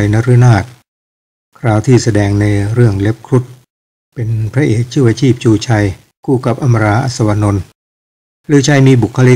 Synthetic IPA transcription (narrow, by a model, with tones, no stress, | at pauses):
jna˦˥ɾɯ˦˥naː˥˩t̪̚ | kʰɾaː˧wt̪ʰiː˥˩sa˧dɛː˧ŋna˧jɾɯ˥˩əŋle˦˥p̚kʰɾu˦˥t̪̚ | pe˧npʰɾa˦˥ʔeː˨˩k̚t͡ɕʰɯː˥˩wa˧t͡ɕʰiː˥˩p̚t͡ɕuː˧t͡ɕʰa˧j | kuː˧ka˨˩p̚ʔa˧ma˧ɾaː˧˥ʔa̰˨˩t̪̚sa˧wa˧no˧n | ɾɯː˨˦t͡ɕʰa˧jmiː˧bu˨˩kʰːa˧li˦˥